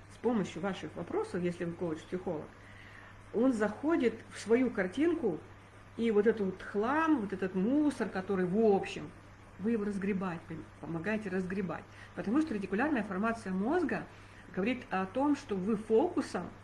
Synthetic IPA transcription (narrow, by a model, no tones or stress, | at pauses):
spo̞məɕjʊvaʂɨxvɐpɾo̞səfjesʲlʲɪvɨkolˠət͡ɕpʲsʲɪxo̞lˠə̰k | o̞nzɐxo̞dʲɪt̪fsvɐjukɐrtʲinkʊ | ivo̞t̪ɛt̪ʊt̪xlˠamvo̞t̪ɛt̪ət̪musərkɐt̪o̞ɾɨjvopɕːɪ̰m | vɨjɪvo̞ɾəzɡɾʲɪbat̚ʲppəmɐɡajɪtʲɪɾəzɡɾʲɪba̰tʲ | pət̪ɐmuʂt̪orətʲɪkʊlʲarnəjəfɐrmat̪sɨjəmo̞zɡə | ɡəvɐɾʲit̪ɐt̪o̞mʂt̪o̞vɨfokʊsəm